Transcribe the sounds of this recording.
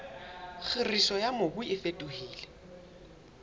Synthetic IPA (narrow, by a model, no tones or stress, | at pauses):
χɪrisɔjamobʊɪfetʼʊhiːlɛ